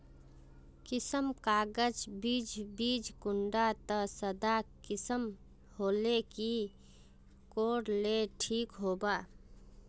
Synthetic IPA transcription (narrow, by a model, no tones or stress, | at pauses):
kɪsəmkaːɡəd͡ʒbid͡ʒbiːd͡ʒkʊɳɖat̪əsəd̪akɪsəm | hoːleki | koːɽleʈʰikɦoːba